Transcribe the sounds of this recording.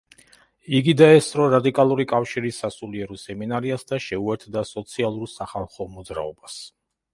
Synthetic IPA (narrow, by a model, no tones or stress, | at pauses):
iɡid̪aɛst̪ʼɾɔɾad̪ikʼalˠuɾikʼafʃiɾisːasuliɛɾɔsɛminaɾiasd̪aʃɛuɛɾt̪ʰd̪asɔt̪sʰialˠuɾsaχalˠχɔmɔd̪zɾa̰ɔbas